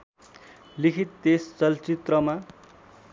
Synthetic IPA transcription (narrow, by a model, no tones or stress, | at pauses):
likʰit̪ːest͡sʌlt͡sit̪rʌma